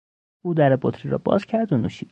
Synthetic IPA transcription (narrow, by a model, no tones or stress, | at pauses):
uːd̪æɾebot̪ʰɾiɾɒ̰ːbɒ̰ːzcʰæɾd̪onuːʃiːd̪